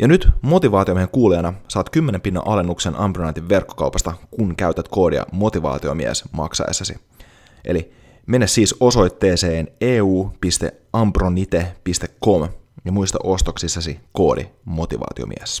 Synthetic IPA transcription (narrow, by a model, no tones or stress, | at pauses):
jɑnyt̪mo̞t̪iʋɑːt̪io̞mieheŋkuːliɑnɑsɑːt̪kymːenempinːɑ̰ʔɑlenːuksenʔɑmprynɑnt̪iʋːe̞rkːo̥kɑuwpɑst̪ɑkunkæyt̪æt̪ko̞ːdḭɑ̰mo̞t̪iʋɑ̰ːt̪iomiḛsmɑ̰ksɑ̰ḛsːɑsḭ | ʔe̞̰li | me̞nːæssiːso̞so̞jt̪ːe̞ːseːneːuːpist̪e̞̰ | ɑmpronit̪epist̪ekːo̞mjɑmuist̪ɑ̰ʔo̞st̪oksisːɑsiko̞ːdḭmo̞t̪iʋɑ̰ːt̪io̰mḭḛs